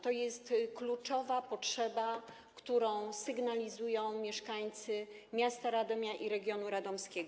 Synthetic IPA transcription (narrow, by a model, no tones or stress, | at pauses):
t̪ɔjɛst̪klut͡ʂɔvapɔtʂɛba | kt̪uɾɔ̃w̃sɘɡnalʲizujɔ̃w̃mʲjɛʂkaɲt̪sɘ | mʲjast̪aɾad̪ɔmʲaʔiɾɛɡʲjɔnuɾad̪ɔmskʲɛɡɔ